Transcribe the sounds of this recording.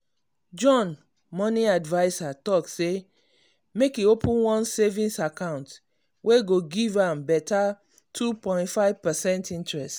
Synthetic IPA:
d͡ʒɔ̃n | mɔnĩadvaɪsatɔkse | mekiopũnwɔ̃nsevĩnsakãʊ̃nt | wʔeɡoɡivãmbɛta | tʰupɔ̃ɪ̃ntfaɪv̥pɛsɛ̃ntĩntɹɛst

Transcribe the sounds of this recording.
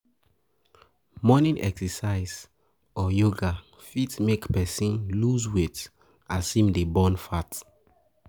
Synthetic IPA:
mɔnĩnʔɛ̰ksɛsaɪz | ɔjoɡa | fitmekpɛsĩnluzwet | asĩmdebɔ̃nfat

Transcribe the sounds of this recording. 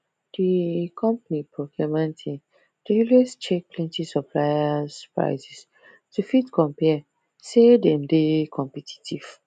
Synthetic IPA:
d̥ikʰɔ̃mpanipʰɹokʰɔmãntʰĩn | d̥elest͡ʃek̚pʰlɛ̃ntisɔpʰlajaspɹa̰ɪsɛs | tufitkʰɔ̃mpɛ | sedɛ̃ndekʰɔ̃mpɛtʰi̥tʰiv̥

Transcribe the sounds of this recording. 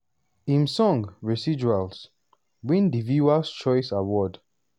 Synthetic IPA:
ĩmsɔ̃ŋɹɛsid͡ʒuals | wĩndivuast͡ʃɔjsawɔd

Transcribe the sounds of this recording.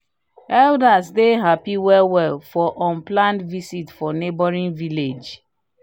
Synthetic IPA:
ɛldasdeɦapiwɛwɛlfɔʔɔ̃nplãntvisitfɔnebɔɹĩnviled͡ʒ

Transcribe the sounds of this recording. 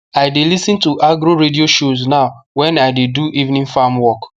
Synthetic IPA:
aɪdelisĩntuʔaɡɾoɾedioʃoznaʊwɛ̃naɪdeduʔivnĩŋfamwɔk

